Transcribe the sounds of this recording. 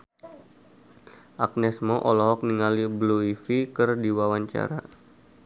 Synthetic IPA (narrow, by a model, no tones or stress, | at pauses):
ʔak̚nɛsmɔʔɔlɔɦɔk̚niŋalibluifikɨrdiwawaɲt͡ʃa̰ɾa̰